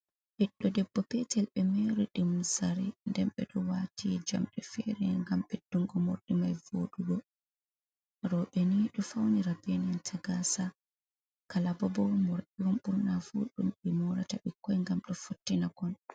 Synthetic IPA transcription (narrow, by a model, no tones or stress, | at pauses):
ɓiɗːɔdɛbːɔpɛtɛlɓɛmɛɾɔɗimsaɾɛndɛmɓɛɗɔwatʰid͡ʒa̰mɗɛfɛɾɛŋɡamɓɛd̥uŋɡɔmo̰ɾɗimajvo̰ɗuɡɔ | ɾɔɓɛniɗɔfawniɾabɛnɛntʰaɡasa | kalabɔbɔmoɾɗiwɔmɓuɾnafuɗumɗɛmɔɾataɓikːɔjŋɡamɗɔfotːinaɡɔn